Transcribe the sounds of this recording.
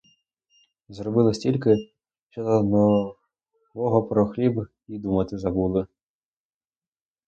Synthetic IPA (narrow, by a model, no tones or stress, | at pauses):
zrɔbɪlˠɪsʲtʲilʲkɪ | ʃt͡ʃɔd̪ɔnɔ | ʋɔɦɔpɾɔxlʲib | id̪umɐt̪ɪzɐbulˠɪ